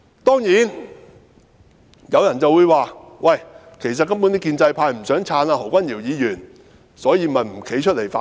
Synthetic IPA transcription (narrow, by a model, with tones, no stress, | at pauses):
t̪ɔː˥ŋjiː˨˥n | jɐ˨˧wjɐ˨˩nt͡sɐ˨wuː˨˧jwaː˨˧wɐ˨˩j | kʰe˨˩jsɐ˨t̚kɐ˥mpu˨˥niː˥kiː˧nt͡sɐ˧jpʰaː˧jm̩˨˩sœː˨˥ŋt͡sʰaː˨˥naː˧ho˨˩wkʷɐ˥njiː˨˩wjiː˨˧jyː˨˩n | sɔː˨˥jiː˨˧mɐ˨˩nm̩˨˩kʰe˨˥jt͡ʃʰɵ˥t̚le˨˩jfaː˧˥